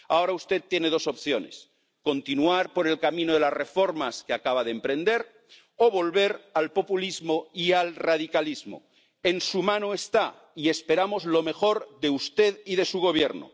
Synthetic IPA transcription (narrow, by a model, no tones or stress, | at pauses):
a̰o̞ɾaust̪e̞tt̪ːje̞ne̞ð̞o̞so̞pθjo̞ne̞̰s | ko̞nt̪inuaɾpo̞ɾe̞lkamĩnoðe̞lazre̞fo̞ɾmaskeakaβ̞aðempɾẽ̞nd̪e̞ɾ | oβo̞lβe̞ɾalpo̞pulizmoialrað̞ikalizmo̰ | e̞nsumãnoest̪a | ie̞spe̞ɾamo̞zlo̞me̞xo̞ɾðe̞ust̪e̞ðiðe̞suɣ̞o̞β̞je̞ɾno̰